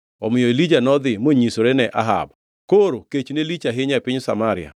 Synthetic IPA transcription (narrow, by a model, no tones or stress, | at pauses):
ɔmɪjɔelid͡ʒanɔd̪ɪmoɲisoɾenɛʔa̰ɦa̰b | koɾoket͡ʃnelit͡ʃaɦɪɲapɪɲsamaɾɪ̰a̰